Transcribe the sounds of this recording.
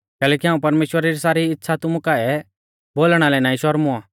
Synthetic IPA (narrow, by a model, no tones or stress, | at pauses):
kɛːlɛːkiɦãːũpɐɾmeːʃwəɾaɾisaːɾiɪtːʃʰat̪ʊmukaːɛ | boːlɽ̃alɛnaːĩʃɔɾmʊa